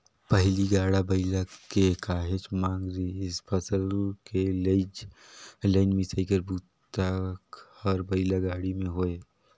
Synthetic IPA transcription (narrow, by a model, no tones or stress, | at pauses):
pəɦliɡaːɽabəɪlakekaːɦet͡ʃmãːŋɡɾiɪspʰəsəlkeled͡ʒ | ləɪnmisəikəɾbuː | t̪əkhɔɾbəɪlaɡaːɽimẽɦoːe